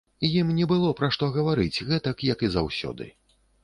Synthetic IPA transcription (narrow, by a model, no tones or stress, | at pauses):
ijimnʲɛbɨlˠɔpɾaʂt̪ɔɣɐvaɾɨt͡sʲɣɛt̪ɐkjɐkizawsʲɔ̰d̪ɨ̰